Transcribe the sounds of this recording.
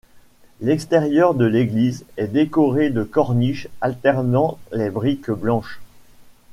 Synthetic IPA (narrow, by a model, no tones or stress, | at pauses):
lɛkst̪eʁjœʁd̪əleɡlizɛd̪ekɔʁed̪əkɔʁniʃalt̪ɛʁnɑ̃lebʁikblɑ̃ʃ